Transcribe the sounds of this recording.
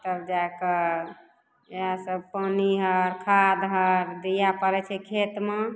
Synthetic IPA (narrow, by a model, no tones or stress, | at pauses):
t̪əbd͡ʒaekə | eɦasəbpəniɦəɾkʰad̪ɦəɾd̪ijapəɾɛt͡ʃʰɛkʰet̪me